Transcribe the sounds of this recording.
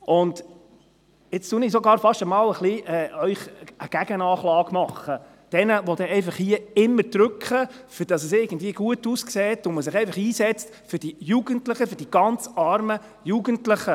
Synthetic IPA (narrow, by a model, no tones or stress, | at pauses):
ʔʊnd | ɪt͡stunisɔɡɑːɾfɑʃtəmɑːləχliʔɛːœʏχəɡ̥æɡənɑːχlɑːɡ̥mɑχːə | d̥ɛnəʋod̥ɛɛɪfɑχhiəɪmːəɾd̥ɾʏkχəfʏd̥ɑsəsɪɡ̥ən̩dviəɡuətuːskseːtʊnməs̬ɪχɛɪfɑχiːsɛt͡stfʏd̥ijuɡəntləχəfʏd̥iɡ̥ɑnt͡sɑɾmə | juːɡəntlɪχə